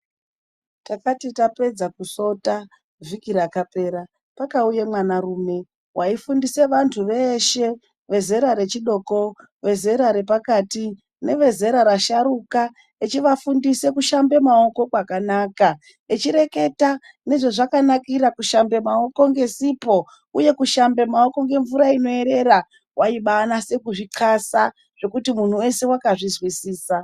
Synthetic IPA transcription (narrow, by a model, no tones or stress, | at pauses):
takatitape̞d͡zakuso̞ta | vikiɾakape̞ːɾa | pakaujemwanaruːme̞ | waifundise̞ʋantʰuʋe̞ʃe̞ | ʋe̞zeɾaɾe̞t͡ʃiɗo̞ko̞ | ʋe̞ze̞ɾaɾe̞pakati | ne̞ʋe̞ze̞ɾaɾaʃaɾuka | et͡ʃiʋafundise̞kuʃambe̞mao̞ko̞kwakanaːka | et͡ʃiɾe̞ke̞ta | ne̞ʐe̞ʐakanakiɾakuʃambe̞mao̞ko̞ŋɡe̞sipo | uje̞kuʃambe̞mao̞ko̞ŋɡe̞ɱvuɾaino̞e̞ɾe̞ɾa | wʔaiɓanase̞kuʐiǃʰasa | ʐ̥e̞kutimun̤uwe̞se̞wakaʐizwisiːsa